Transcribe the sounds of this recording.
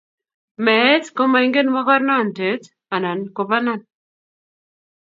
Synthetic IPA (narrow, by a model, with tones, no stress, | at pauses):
mɛ˨˦tko˦ma˨i˦ŋɡe˦n˦wa˦ka˦ɾna˦˨n˨te˨˦t | a˨na˨nko˨pa˦na˦˨n